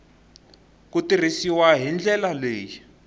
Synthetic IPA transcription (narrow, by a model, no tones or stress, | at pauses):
kutir̤isiwaɦind͡ɮʱɛlaleːji